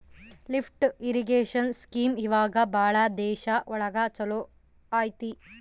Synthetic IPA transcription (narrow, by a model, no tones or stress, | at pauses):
lifʰʈiɾiɡeːʃɐnskiːmiʋaːɡɐbʱaːɭɐd̪ɛːʃɐʔɔɭɐɡat͡ʃɐloː | aːjt̪i